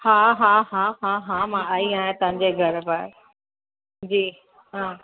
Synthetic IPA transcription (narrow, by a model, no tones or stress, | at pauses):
haːɦãːɦãɦãːɦãːmãaːiaːɦẽt̪ɐ̃ɦɪ̃ɲd͡ʑeɡʱɐɾpaɾ | d͡ʑiː | ɦãː